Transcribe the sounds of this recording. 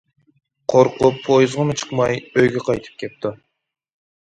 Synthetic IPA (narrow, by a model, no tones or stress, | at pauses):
qʰoɾqupʰːojzʁəmɨt͡ʃʰɨ̥qmɑjøjɡʲɛqʰɑjt̪ʰɨ̥p̚kʲʰep̚t̪ɪ